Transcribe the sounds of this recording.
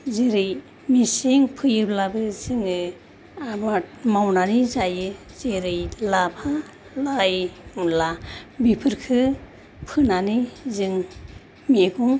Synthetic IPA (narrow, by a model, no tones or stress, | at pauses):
ziɾɯj | misiŋpʰɯjɯblabɯziŋɯ | abat̚mawnanizajɯz̥eɾɯjlapʰa | lajmlabipʰɯɾkʰɯ | pʰɯnanizɯŋ | meɡuŋ